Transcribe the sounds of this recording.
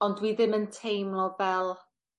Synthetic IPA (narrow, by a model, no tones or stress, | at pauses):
ɔndwiðɪməntʰejmlˠɔvɛlˠ